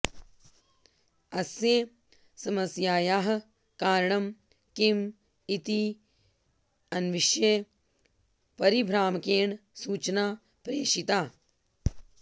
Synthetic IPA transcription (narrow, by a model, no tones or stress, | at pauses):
ɐsjeː | sɐmɐsjaːjaːɦɐ̆ | kaːɾɳɐm | kim | it̪i | ɐnʋiʃje | pɐɾibʱɾaːmkeːɳsuːt͡ʃnaː | pɾeːʃit̪aː